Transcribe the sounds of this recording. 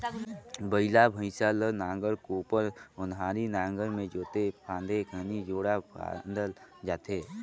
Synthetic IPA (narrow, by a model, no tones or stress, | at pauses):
bəɪlabʱə̃ɪsalənãːŋɡəɾkoːpəɾʊnɦaːɾinãːŋɡəɾmẽd͡ʒoːt̪epʰãːnd̪ekʰənid͡ʒoːɽapa̰nd̪əld͡ʒaːt̪eː